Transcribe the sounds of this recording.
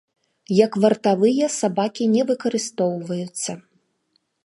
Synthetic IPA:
jɐkvɐrt̪avɨjɐsabakʲinʲɛvɨkɐɾɨst̪ɔwvɐjut̪sːɐ

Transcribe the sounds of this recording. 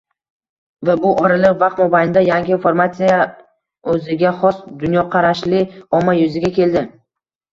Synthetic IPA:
vabʊʔɒɾɪlɪqvaq̚t̪mɒbajɪnd̪ajaŋɡʲɪfoɾmat̪sija | ɵzɪɡʲaχɒsd̪ʊnjɒqʰɑɾaʃlɪɒmːajʊzɪɡʲakʲʰe̞ld̪ɪ

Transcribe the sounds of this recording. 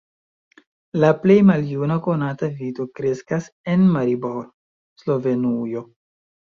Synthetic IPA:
laple̞jmaljunako̞natavito̞kɾe̞skas | e̞nmaɾiboɾ | slo̞ve̞nujo̞

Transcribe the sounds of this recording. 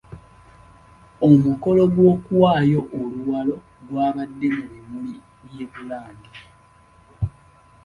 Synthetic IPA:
omuko̞lo̞ɡwoːkuwaːjo̞ʔoluwalo̞ | ɡwaːβadːe̞muβimuli | βje̞ːβulaːndi

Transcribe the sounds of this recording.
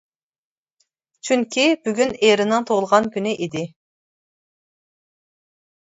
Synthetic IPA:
t͡ʃʰyŋkʲibyɡʲyneɾɪnɨŋt̪ʰolˠʁɑnkʲʰynɪʔid̪ɪ

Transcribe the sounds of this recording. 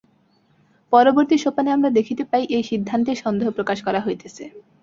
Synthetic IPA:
pɔɾoboɾt̪iʃopaneamɾad̪ekʰit̪epaiʔejʃid̪ʱːant̪eɾʃɔnd̪eɦopɾokaʃkɔɾaɦojet̪ʰesʰe

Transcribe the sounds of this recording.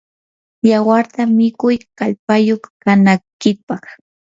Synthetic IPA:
jawaɾt̪amɪkʊjkaʎpajoχkanajkɪpɑχ

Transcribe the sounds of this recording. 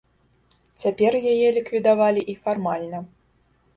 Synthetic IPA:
t͡sʲapʲɛrjajɛlʲikvʲid̪avalʲiʔifarmalʲnɐ

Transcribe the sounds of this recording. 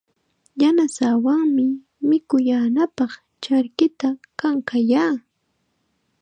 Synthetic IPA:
janasawaŋmɪ | mɪkʊjaːnapɑχ | t͡ʃaɾkɪt̪akaŋkajaː

